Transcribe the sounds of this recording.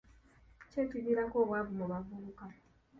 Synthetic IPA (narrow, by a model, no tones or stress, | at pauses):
t͡ʃetiniɾakoβwabumoβavuluka